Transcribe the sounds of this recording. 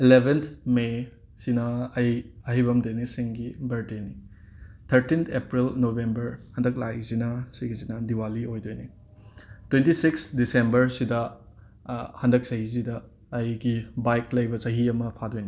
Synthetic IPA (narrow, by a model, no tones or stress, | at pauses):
ilebʱent̪ʰme | sinɐːjɐɦijbɐmdenisiŋɡibɐɾteni | t̪ʰɐɾtint̪ʰepɾilnobembɐɾhɐndɐk̚lajzinɐsiɡizinɐdiwaliojdojni | twentisiksdisembɐɾsidɐ | hɐndɐk̚sɐhizidɐː | jɡibajklɐjbɐsɐɦiɐmɐpʰadojni